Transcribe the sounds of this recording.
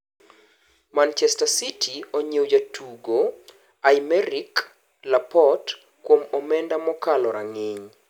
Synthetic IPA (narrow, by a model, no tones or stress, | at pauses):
mant͡ʃɛstasitʰioɲewd͡ʒatʰuɡo | ajmɛɾik | lapɔt | kwomɔmɛndamɔkalɔɾaŋɪɲ